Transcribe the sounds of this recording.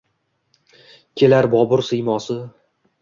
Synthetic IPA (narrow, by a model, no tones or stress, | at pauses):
kʲʰelaɾbɒbʊɾsɨjmɒsɪ